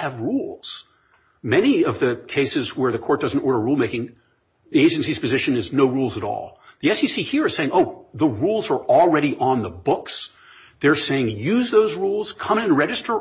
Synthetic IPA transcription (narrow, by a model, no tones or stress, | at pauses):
ɨvɹulˠz̥ | mɛniʌvðɨkʰeɪsɨzwə˞ðɨkʰɔɹt̚d̥ʌzn̩tɔɹɾə˞ɹulˠmeɪkɪ̃ŋ | ðieɪd͡ʒɨ̃nsiz̥pʰɨzɪʃɨ̃nɨznoʊɹulˠzəɾɔ̰lˠðiɛsisihiɹə˞seɪɪ̃ŋoʊðəɹulˠzə˞ʔl̩ˠɹɛɾiʔə̃nðəbʊks | ðə˞seɪɪ̃ŋjʉzðoʊzɹulˠz̥kʰʌ̃mɨ̃nɹɛd͡ʒɨstə˞